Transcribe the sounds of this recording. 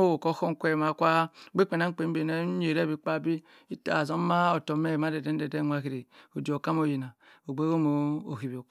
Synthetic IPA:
o˦wo˨ko˦xo˦ŋ˦kʷe˦˨ma˨kʷa˦ɡ͡be˦k͡pe˨na˦k͡pe˨˦m˦be˨ne˦ɲ˦e˨ɾe˦bi˨˦k͡pa˦bi˦ | i˦ta̰˨zo˦ma˦o˨to˨me˦˨ma˦de˨de˦n̩˦de˨de˦ŋʷa˦ki˨ɾe˨o˨di˨o˨ka˦m˦o˦˨ji˨na˨o˨ɡ͡be˦o˦mo˨˦o̰˨ki˨bi˨o˨

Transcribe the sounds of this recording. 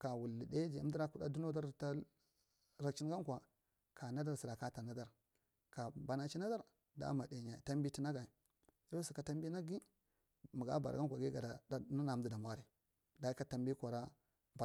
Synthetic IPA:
ka˨wu˨lːi˨de˦d͡ʒi˨a˨˦di˦ɾa˦ku˦˨da˦du˦no˦da˦ɾta˦ | ɾa˨kt͡ʃi˦n˦ɡa˦ŋkʷa˨ | kʰa˨na˦da˦ɾsi˨ɾa˨ka˦ta˨na˦da˦ɾ | ka˨ba˨na˨t͡ʃi˦na˦da˦ɾ | da̰˦ma˨de˨ɲa˨ta˦mbi˦ti˦na˦ɡa˨i˨ | jo˦si˨ka˨ta˦m˦bi˦na˦ɡi˦ | mu˨ɡa̰˦ba˨ɾ̰ɡa˦ŋkʷa˨ɡi˦ɡa˨da˨da˦na˦na˨˦di˦da˨mwa˦ɾi˨ | da˨i˦ka˨ta˦mbi˦kʷa˨ɾa˦ | ba˨

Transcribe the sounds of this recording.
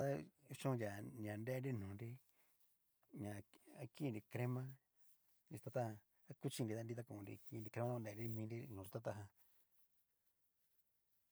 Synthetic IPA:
t̪a˦˧t͡ʃõ˦˧ja˨nã˨nde˦nɾi˦nũː˨nɾi˦ | ɲã˧a˦kĩ˦˧nɾi˧kɾe˦mã˦ | ni˧u̥˧t̪a˧t̪a˦hã˧ | a˦ku˦t͡ʃĩ˦˧n˧ɾi˧a˦n˧di˧t̪̬a˦˧kũ˧nɾḭ˧ki˧ɾi˧kɾe˧mã˦˧de˧˨˧ɾi˦˧mĩː˧nɾi˦nũː˨u˧t̪a˦t̪a˧ɦã˧

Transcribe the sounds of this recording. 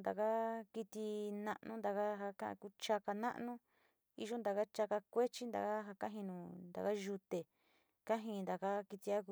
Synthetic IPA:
nd̪a̰˨ka˦ki˧t̪i˧nã˧ʔnũ˦nd̪a˨ka˦ɦa˧kã˦ʔã̰˧ku˦t͡ʃa˧ka˧nã̰˦ʔnũ˦ | ḭ˧ʒo˦nd̪a˨ka˦t͡ʃa˧ka˧kʷe˦t͡ʃi˦nd̪a̰˨ka˦ɦa˧kã˦ɦĩ˧nũ˨˧nd̪a̰˨ka˦ʒu˧t̪e˨ | ka˦ɦĩ˧nd̪a˨ka˦ki˧t̪i˧a˦ku˧

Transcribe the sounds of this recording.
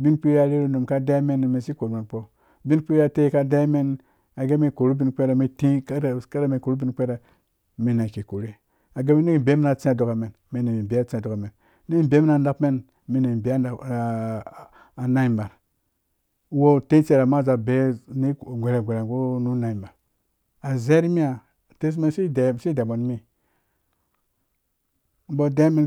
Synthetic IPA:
bi˦npi˦ɾa˦˨ɾe˦ɾu˦nu˨mka˦da˦me˦n˨me˨si˦ko˨ɾme˨nk͡po˦ | bi˦k͡pi˦ɾja˦˨te˦ka˦da˦me˦n | a˨ɡe˦me˨ko˨ɾu˦bi˦nk͡pe˦ɾe˨mi˦tĩ˦˨ka˦ɾa˦me˨ko˨ɾu˦bi˦nk͡pe˦ɾe˨ | mi˨na˨ki˨ko˨ɾe˦ | a˨ɡe˦me˦ni˦i˨be˦mi˦na˨t͡si˦a˨do˨ka˨me˨n | me˨ne˨mi˨be˨˦a˦t͡si˦a˨do˨ka˨me˨n | ni˦i˦be˨˦mi˦na˨nda˦pme˦n | mi˦ne˨be˨˦˨ | a˨na˦i˨mba˨ɾ | wo˦te˦t͡se˨ɾa˨ma˦˨za˨be˨˦ni˦˨ɡʷe˨ɾe˨ɡʷe˨ɾe˨ɡo˦nu˦na˨i˨mba˨ɾ | a˨ze˦ɾi˦mi˦a˨ | te˦s̬me˦nsi˦de˨si˦de˨bo˨n˦mi˦ | bo˦de˦me˦n

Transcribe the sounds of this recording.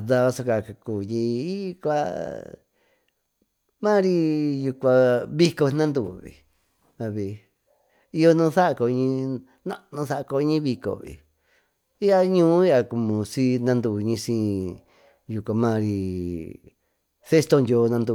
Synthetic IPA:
ða˧βa˧so˧ka˧˨ka˧kuː˨ji˧i˦kʷa̰˧ | mã˦ɾi˧ju˧kʷã˧βi˦ko˧nã˦nd̪u˧˨βḭ˨ | a˧βi˨ | i˧jo˧nũ˧θa˦ʔko˧ɲĩ˧ | nã̰˦ʔnũ˧θa˦ʔko˧˦ɲĩ˦βi˧ko̰˨βḭ˨ | i˦a˧ɲũː˦i˦a˧ku˧˨mũ˨si˦nã˦˧nd̪u˧˨ɲĩ˧sĩ˧˦ | ju˧kʷa˧mã˦˧ɾi˧ | θe˦st̪o˧ndo˧˦˧nã˧nd̪u˧˨

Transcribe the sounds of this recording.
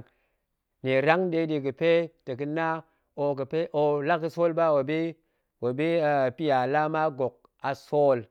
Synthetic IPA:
ne˨ɾa˦ŋɗe˦ɗi˨˧ki˨pe˦tə˨ki˦na˦ | o˨kə˨pe˦ʔo˨la˦ki˨so˦lba˦wo˨be˦ | wo˨be˦˨pi˦ja˨la˦ma˦ɡo˨k̚ | a˨so˦l

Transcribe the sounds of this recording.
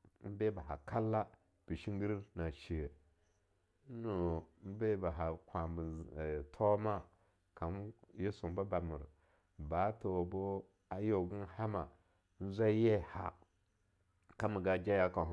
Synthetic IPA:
m̩˦be˦ba˨ɦa̰˨kʰa˦lːa˦ | b̥i˨ʃi˦ŋ˦ɡi˦ɾi˦na˨ʃi˨ə˨˦ | no˨˦m̩˦be˦ba˨ɦa˨kʷa˨bi˨tʰo˦ma˦ | ka˨nje˦su˨m˦ba˦ba˨mu˨ɾə˨ | ba˨˦to˨bo˦ | a˨jo˨ɡu˦n˦ha˦ma˨ | n̩˦zʷa˦je˦ha̰˨ | ka˦mu˨ɡa˨d͡ʒa˦ja˦ka˨

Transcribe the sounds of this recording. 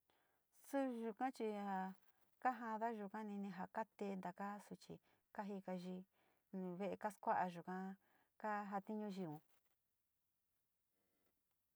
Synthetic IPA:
su˦ʒu˧kã˦t͡ʃi˧ha˧˨ | ka˦ɦã˧ða˦ʒu˧kã˦nĩ˧nĩ˧ɦa˧ka˦t̪e˧˦nd̪a˨ka˦su˧t͡ʃḭ˧ | ka˦ɦi˧ka˧ʒi˧ | nũ˧βe˦ʔe˧ka˦skʷa˦ʔa˧ʒu˧kã˧ | ka˦ɦa˧t̪i˦ɲũ˧ʒi˧ũ˨

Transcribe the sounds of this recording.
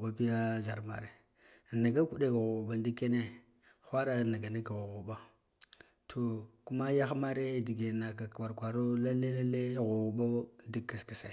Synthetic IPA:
ba˦pi˦ja˦za˨ɾma̰˨ɾe˨ | na˨ɡa˦ku˨ɗe˦ka˨ɣu˨ɓa˦ndi˦kːe˦ne˦ | xʷa˦ɾa˦˨na˨ɡa˨ni˦ka˨ɣu˨ɣu˨ba˦ | tʰo˨ku˦ma˦ja˦xma˦ɾe˦di˨ɡe˨na˨ka˨kwa˨ɾkʷa˨ɾo˦la˦le˦la˦le˦ɣu˨u˨ba˦di˦kːa˨ski˨sa˨

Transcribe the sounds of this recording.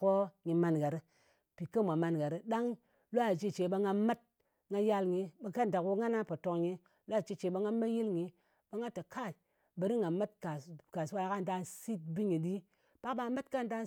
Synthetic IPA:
ko˦ŋi˨ma˨nɡa˨ɾi˦ | pi˨kə˦mʷ˨a˨ma˨nɡa˨ɾi˦ɗa˦ŋ | lo˦a˨d͡ʒi˦t͡ʃe˨ba˧ŋa˧ma˦t̚ | ŋa˦ja˦lŋi˨ba˨ka˦n˨da˨ku˦ŋa˦na˦po˨to˨kɲi˦ | lo˦a˨t͡ʃi˦t͡ʃe˨˦ba˦ŋa˦ma˦ji˦lŋi˨ | ba˦ŋa˦ta˨kʰa˦˨ | bə˨ɾi˦ŋa˨ma˦tka˨ka˨swa˦a˨ka˦n˨da˦nsi˦t̚bi˦ɲi˨di˦ | b̥a˦kba˨˦ma˦tka˦˨n˨da˦

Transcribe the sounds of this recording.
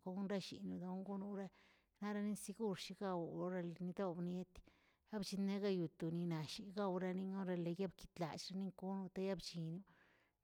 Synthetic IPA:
ko˧ɡu˦nɾa˦ʃḭ˨nju˧d̪a˧˦ŋɡu˦nu˦ɾa˦ | na˦ɾa˧ni˦nsi˧ɡu˦ɾʃi˧ɡa˧wo˦ɾa˦˧lni˧d̪o˦bne˦t̪ | a˦bt͡ʃi˧ne˦ɡa˦ju˨t̪u˨ni˧na˨ʃi˨ɡa˦wɾa˧ni˧ŋo˦ɾa˧le˨ja˦bki˧t̪la̰˨t͡ʃɾa˦ni˦ŋku˦nu˧t̪a˦ja˦bt͡ʃi˨nju˦

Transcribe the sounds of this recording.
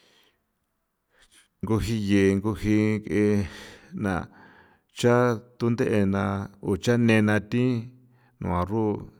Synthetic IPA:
ŋɡu˧ɦi˧je˨ŋɡu˧hi˧ke˧nã̰˨ | t͡ʃa˦t̪u˦nd̪e˦ʔe˧nã˧u˨t͡ʃa˦nẽ˧nã˧t̪ĩ˦ | nṵ̃˧˨ã˨ru˦˧˨

